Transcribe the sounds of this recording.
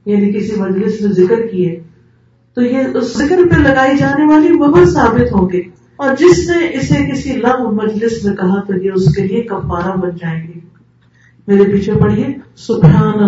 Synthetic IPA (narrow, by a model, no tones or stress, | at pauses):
jaːnikɪsimɐd͡ʒlɪsnẽzɪkəɾkiɛː | t̪ojeʊsɪkəɾpelɐɡaːid͡ʒaːneʋaːlibɐbəlsaːbɪt̪ɦõːɡeː | ɔːɾd͡ʒɪsneʔɪsekɪsilɐbmɐd͡ʒlɪsmẽkɐɦat̪ojeʊskeliekɐ̃mpaːɾabɐnd͡ʒaːẽːɡiː | meːɾepiːt͡ʃʰẽpɐɽiɦɛsʊbɦaːnə